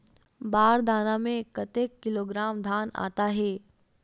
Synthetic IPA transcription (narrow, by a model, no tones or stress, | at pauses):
baːɾd̪aːnamẽkːət̪eːkːɪloːɡɾaːmd̪ʱaːna̰ːt̪aɦɛː